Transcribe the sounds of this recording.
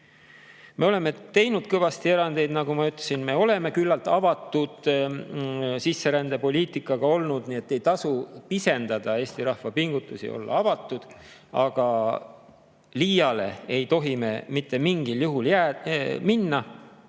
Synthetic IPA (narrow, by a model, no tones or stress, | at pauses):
me̞o̞le̞me̞t̪e̞jnud̪̥̚kɤvɑst̪ie̞ɾɑnd̪̥e̞jd̪nɑɡumɑyt̪ˑlesinme̞o̞le̞me̞kylːɑlt̪ˑɑvɑt̪ˑːud̪̥ | sisːe̞ɾænd̪̥e̞po̞lʲiːt̪ikːˑɑɡ̥ɑo̞lnud̪̥nie̞t̪ːe̞jt̪ɑsupise̞nd̪ɑd̪̥ɑe̞ːsʲt̪iɾɑhvɑpiŋɡut̪ːˑusḭo̞̰lːɑ̰ɑvɑt̪ːˑud̪̥ | ɑɡ̥ɑ | liːjɑle̞̰ejt̪o̞ɦime̞mit̪ːˑe̞miŋɡiljuɦuljæːminːɑ